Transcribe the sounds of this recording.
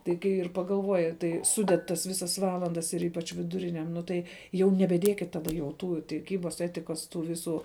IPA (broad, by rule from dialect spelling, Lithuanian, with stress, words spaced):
tɐɪ ˈkɐɪ ɪr pɐɡɐlˠˈʋoːjɪ tɐɪ ˈsʊdʲɛt tɐs ˈʋʲɪsɐs ˈʋɑːlˠɐndɐs ɪr ˈiːpɐt͡ʃ ʋʲɪdʊˈrʲɪnʲɛm ˈnʊ tɐɪ jɛʊ nʲɛbʲɛˈdʲiɛkʲɪt ˈtɑːdɐ jɛʊ ˈtuː tʲɪˈkʲiːbɐs ˈæːtʲɪkɐs ˈtuː ˈʋʲɪˌsuː